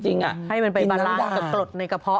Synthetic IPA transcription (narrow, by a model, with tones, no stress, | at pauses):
t͡ɕi˧ŋʔa̰˨˩ʔha˥˩jma˧npa˧jbaː˧nlaː˦˥ka˧˩klo˨˩t̪̚na˧jka˧pʰɔ˦˥